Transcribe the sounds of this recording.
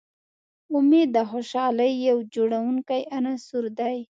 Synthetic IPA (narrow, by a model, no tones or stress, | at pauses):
ʊmed̪əxoʃɑləjːawd͡ʒoɽawuŋkajanasuɾd̪aj